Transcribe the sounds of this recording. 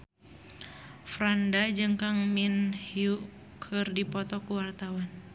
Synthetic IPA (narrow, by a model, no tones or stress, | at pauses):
fɾandad͡ʒɨŋkaŋminhju | kʰɨrdipɔt̪ɔkuwart̪awan